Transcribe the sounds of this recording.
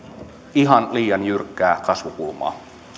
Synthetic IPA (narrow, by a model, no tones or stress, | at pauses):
iɦɑnliːjɑnjyrkːæːkɑsʋukulmɑ̰ː